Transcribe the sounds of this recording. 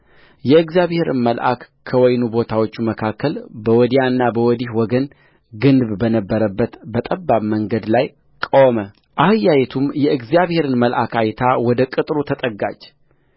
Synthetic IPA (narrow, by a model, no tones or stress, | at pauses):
jɛɨɡzjaβhe̞ɾɨ̰nməlʔa̰kːʰəwɔjnubo̞t̪ʰawo̞t͡ʃːuməkʰakːəlbəwɔd̪janːabəwɔd̪ihwɔɡən | ɡɨnbbənəbːəɾəbːət̪bət̪ʼəbːaβməŋɡəd̪laj | kʼowmə | ʔahɨjːajɛt̪ʰumjɛʔɨɡzijaβhe̞ɾɨnməlʔakʰajt̪ʰawɔd̪əkʼɨt̪ʼɾut̪ʰət̪ʼəɡa̰d͡ʒ